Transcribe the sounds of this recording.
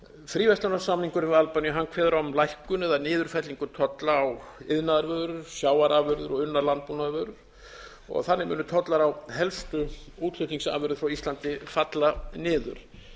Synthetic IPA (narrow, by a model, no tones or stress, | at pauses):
fɾiːvɛst̪anasamniŋkʏɾmɪðalpanjʏɦankʰvɛːðʏɾɔmlajhkʏnɪðanɪːðʏɾ̥fɛt̪liŋkʏt̪ʰɔt̪laːwɪðnaðaɾvœðɾʏɾ̥sjaːwaɾaːvʏɾðʏɾɔɣʏnːaɾlant̪̚punaðɾvœːɣɾʏɾ̥ | ɔ̰ɣθanːɪmɛ̰ːnʏt̪ʰɔt̪laɾawhɛlst̪ʏuːt̪lʏhk̪iŋsa̰ːvʏɾðʏfɾawist̪lant̪ɪfat̪lanɪːðʏ̰ɾ̥